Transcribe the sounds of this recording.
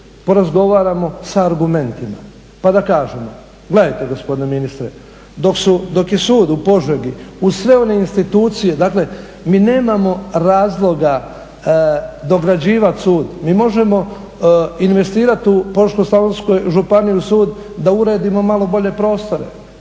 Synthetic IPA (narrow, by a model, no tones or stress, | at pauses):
po̞ɾazɡo̞ʋaːɾamo̞saːɾɡume̞nt̪ima̰ | pad̪akaːʒemo̞̰ | ɡ̥le̞d̪ajt̪e̞ɡo̞spo̞d̪ineminist̪ɾe | d̪o̞ksud̪o̞kje̞suːd̪upo̞ʒʋeɡiusʋe̞o̞ne̞inst̪it̪uːt̪sije̞d̪aːkle̞ | miːne̞ːmamo̞ɾaːzlˠo̞ɡa | d̪o̞ɡɾad͡ʑiːʋat̪suːd̪miːmo̞ʒe̞mo̞ | inʋe̞st̪iːɾat̪upoɾʃkoslˠaʋonsko̞jʒupaniusuːd̪ː | auɾe̞ːd̪imo̞malo̞bo̞ʎe̞pɾo̞ːst̪o̞ɾe̞̰